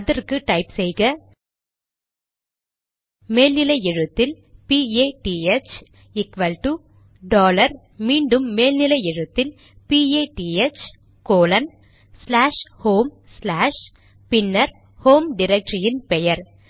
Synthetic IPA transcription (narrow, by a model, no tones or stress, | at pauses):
ɐðɐrkɯʈɐɪpsɛjɣɐ | meːlnɪlɐɛɻɯt̪ːɪl | pieːʈiet͡ʃ | ɪkʋɐlʈu | ɖoːlɐɾ | miːɳɖɯmːeːlnɪlɐɛɻɯt̪ːɪl | pieːʈiet͡ʃ | koːlɐn | slaːʂhoːm | slaːʂ | pɪnːɐɾ | hoːmɖɪɾɛk̚ʈɾɪjɪnpɛjɐɾ